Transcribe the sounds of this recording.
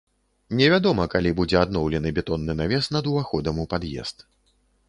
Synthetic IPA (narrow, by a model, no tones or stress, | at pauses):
nʲɛvʲad̪ɔmɐkalʲibud͡zʲɛad̪nɔwlʲɛnɨbʲɛt̪ɔnːɨnavʲɛst̪nɐd̪uvaxɔd̪ɐmupad̪jɛ̰st̪